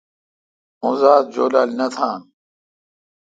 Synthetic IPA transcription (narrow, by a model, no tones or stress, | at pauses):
ũzaːd̪̚d͡ʑoːlaːlnɐt̪ʰaːn